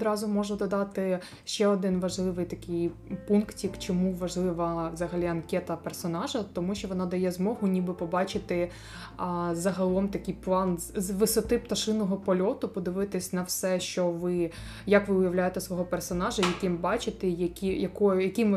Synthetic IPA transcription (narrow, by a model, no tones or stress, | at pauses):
d̪ɾɑzʊmɔʒʊd̪ɔd̪ɑt̪ɪ | ʃt͡ʃɛɔd̪ɪnʋɐʒlˠɪʋɪjt̪ɐkʲɪjpunktʲikt͡ʃɔmuʋɐʒlˠɪʋɐʋzɐɦɐlʲiɐnkʲɛt̪ɐpɛrsɔnɑʒɐt̪ɔmuʃt͡ʃɔʋɔnɑd̪ɐjɛzmɔɦʊnʲibɪpɔbɑt͡ʃɪt̪ɪ | zɐɦɐlˠɔmt̪ɐkʲɪjplˠɑnʋɪsɔt̪ɪpt̪ɐʃɪnɔɦɔpɔlʲɔt̪ʊpɔd̪ɪʋɪt̪ɪsʲnɐwsɛʃt͡ʃɔʋɪ | jɐkʋɪʊjɐʋwlʲajet̪ɛsʋɔɦɔpɛrsɔnɑʒɐjɐkʲɪmbɑt͡ʃɪt̪ɛjɐkʲijɐkɔjjɐkʲɪm